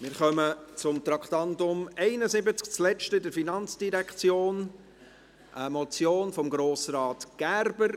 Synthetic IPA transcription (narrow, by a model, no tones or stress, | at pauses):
mɪːɾχœmət͡sʊmt̪ɾɑkt̪ɑntʊmɛɪnəzɪbət͡sk̚t͡slɛʃtəɪdəɾfinɑnt͡sd̥iɾɛkt͡sjoːn | ʔəmɔt͡sjoːnfɔmɡɾoːsrɑːtɡ̥æɾbəɾ